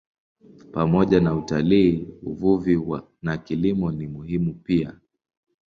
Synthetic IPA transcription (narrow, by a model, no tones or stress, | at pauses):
pamɔʄanautaliːuvuviwa | nakilimɔnimuhimupia